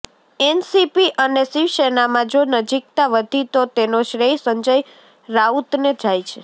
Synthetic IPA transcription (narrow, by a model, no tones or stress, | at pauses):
ɛnsipiʔənesiʋʃenamãd͡ʒonəd͡ʒik̚t̪aʋəd̪ʱit̪ot̪enoʃɾesəɲd͡ʒəj | ɾaut̪ned͡ʒajt͡ʃʰe